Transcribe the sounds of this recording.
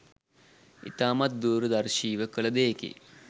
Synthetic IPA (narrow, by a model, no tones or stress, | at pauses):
ḭt̪aːmɐt̪̚d̪uːɾəd̪ɐɾʃiːʋəkəɭɐd̪eːkḛ